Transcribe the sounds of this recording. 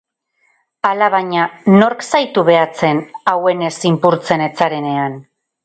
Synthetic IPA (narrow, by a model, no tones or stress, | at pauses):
alaβaɲano̞ɾksajt̪uβe̞at͡se̞nawe̞ne̞simpuɾt͡se̞ne̞t͡saɾe̞ne̞an